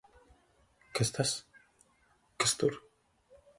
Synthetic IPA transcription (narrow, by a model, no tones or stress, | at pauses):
kest̪ʰas | kest̪uɾ